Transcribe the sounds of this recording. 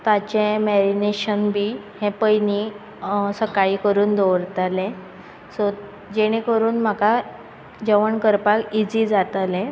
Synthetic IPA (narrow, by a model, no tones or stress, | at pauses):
t̪at͡ɕẽmɛɾineɕənbiː | hɛ̃pəjni | səkaiːkəɾuːnd̪oʋɾt̪alɛ̃ | sɔ | d͡ʑeɽ̃ekəɾuːnm̤aka | d͡ʑəʋəɳkəɾpakid͡ziːd͡zat̪alɛ̃